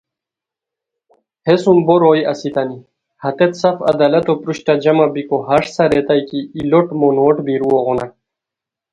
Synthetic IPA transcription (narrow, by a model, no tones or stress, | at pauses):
hesumboɾoːjɐsit̪ani | hɐt̪et̪sɐfɐ̰d̪alɐt̪opɾuɕʈad͡ʑɐmabikoɦɐʂsɐɾet̪ajkiːloʈmonoʈbiɾuoɣona